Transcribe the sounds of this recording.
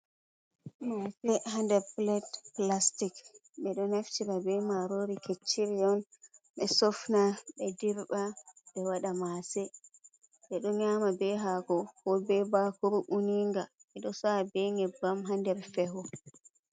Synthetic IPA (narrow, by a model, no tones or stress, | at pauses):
masɛhandɛɾplɛtplastik | ɓɛɗɔnaftiɾabɛmaɾoɾiket͡ʃːiɾijɔnɓɛsɔfnaɓɛdiɾbabɛwaɗamasɛ | ɓɛɗɔɲaːmabɛɦaɡɔkɔbɛbakuɾuʔuniŋɡaɓɛɗɔsabɛŋɛbamɦandɛɾfɛhɔ